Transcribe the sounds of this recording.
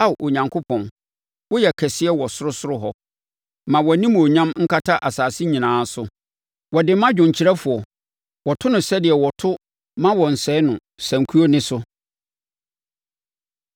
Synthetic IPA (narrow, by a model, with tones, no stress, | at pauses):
a˦˨ʔo˨ɲã˨ŋkʰʊ˦pʰɔ̃˨n | wɔ˦jɛ˨kʰɛ˨sɪ˦ɛ˦wɔ˨sʊ˦ɾʊ˦sʊ˦ɾʊ˦ɦɔ˦ | mã˨wɔ˨nĩ˦m˨o˨ɲã˦mŋ̩˦kʰa˦tʰa˦ʔa˨saː˨sɪ˦ɲĩ˨nãː˨˦sʊ˦ | wɔ˨dɪ˨˦mã˦d͡ʑᶣʊ̃˨ɲ̩˨t͡ɕʰi˦ɾɛ˦fʊ˨ɔ˨ | wɔ˨tʰʊ˦nʊ̃˨sɛ˦dɪ˨ɛ˨wɔ˨tʰʊ˦ | mã˦wɔ˨n̩˨sɛ˦nʊ̃˨ | sæ̃˨ŋ˨kʰu˦o˦nɪ̃˦sʊ˦